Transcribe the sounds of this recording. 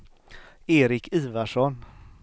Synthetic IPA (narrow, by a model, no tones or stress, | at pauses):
eːɾɪkʰʉːvaʂɔn